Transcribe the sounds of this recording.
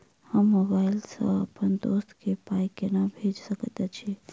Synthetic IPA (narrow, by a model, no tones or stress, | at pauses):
həmːobaɪlsə̰̃ə̰pənd̪ost̪kepajkenabʱed͡ʒsəkət̪ɛt͡ʃʰi